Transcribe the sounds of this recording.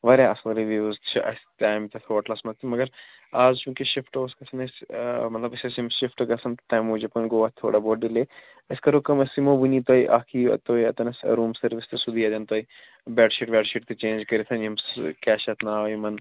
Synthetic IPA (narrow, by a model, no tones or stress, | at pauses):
ʋɐɾʲaɐslɾiʋiʋɐzt͡ʃʰiɐ̰st̪aːjmt̪ɐt̪ʰoʋɐʈlɐsmɐt̪ʰimɐɡɐɾ | aːzt͡ʃũːkeʃɪfʈoːskɐsɐnɐsmɐt̪lɐbɐsɐsimʃifʈɡɐsɐnt̪t̪ãːmoːd͡ʒɐpɐnɡoːʋaːtt̪ʰːo̰ːɽaboːɖileː | ɐskɐɾoːkɐmɐsimobunit̪ojʔaːkʰiːɐ̰t̪oːiɐ̰t̪ɐnɐsɾuːmsɐɾʋist̪ɨsud̪iaːd̪ʲɐnt̪oːi | bɛːɖʃiʈbɛɖʃiʈt̪et͡ʃẽːnd͡ʒkɐɾit̪ʰɐnimskɛːʃɐt̪ʰnaːʋjimɐn